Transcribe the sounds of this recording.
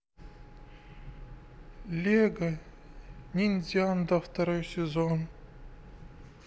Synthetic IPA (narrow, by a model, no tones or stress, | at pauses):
lʲeɡɐ | nʲinʲzʲiand̪aft̪ɐɾojsʲezon